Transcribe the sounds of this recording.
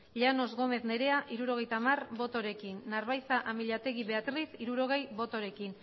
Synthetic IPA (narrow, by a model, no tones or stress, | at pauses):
ʎano̞zɣo̞me̞θne̞ɾe̞aʔiɾuɾo̞ɣe̞jt̪amarbo̞t̪o̞ɾe̞kinːaɾβajsaʔamiʎat̪e̞ɣiβe̞at̪ɾisiɾuɾo̞ɣ̞e̞jbo̞t̪o̞ɾe̞kin